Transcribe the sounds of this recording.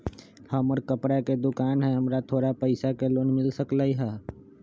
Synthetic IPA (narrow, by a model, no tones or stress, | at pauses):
həməɾkəpɽaked̪ʊkaːnɦɛɦəmɾat̪ʰoːɾapəɪsakeloːnmɪlsəklaːiɦaː